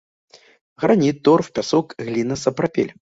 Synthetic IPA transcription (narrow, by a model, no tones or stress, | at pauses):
ɣɾanʲit̪̚ːɔrfpʲasɔkɣlʲinɐsɐpɾapʲḛlʲ